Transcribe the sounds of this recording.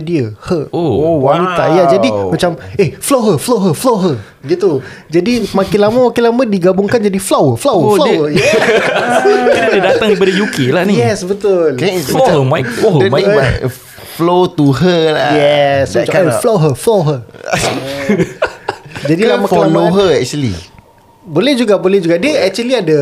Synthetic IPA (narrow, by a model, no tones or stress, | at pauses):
diəhəowanit̪ajad͡ʒadimat͡ʃamehflowɦəflowɦəfloɦə | ɡit̪u | d͡ʒadimãkɪlamawakilamãdiɡabuŋkand͡ʒadiflawəflowflaəjɛ | it̪adidat̪aŋipadəjukelahnijɛsbət̪ʊlkajamaaəmajkomãa | flot̪uɦəlajɛsut͡ʃakaaflowɦəfloɦə | d͡ʒadilamãklaloɦəɛk̚t͡ʃuəlḭ | bolɛhd͡ʒuɡabolɛhd͡ʒuɡadiəɛk̚t͡ʃuəliada